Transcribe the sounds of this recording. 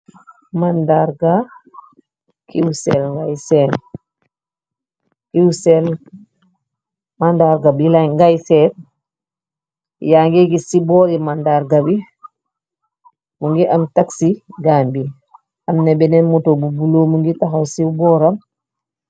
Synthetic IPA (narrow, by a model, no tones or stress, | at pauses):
mandaɾɡa | kiwsɛlŋɡajsɛl | kiwsɛl | mandaɾɡabilajŋɡajsɛt | jaŋɡɛɡisibɔɾimandaɾɡabi | muŋɡiʔamtaksiɡambi | amnɛbɛnɛnmutobubulomuŋɡitaxawsiwbɔɾam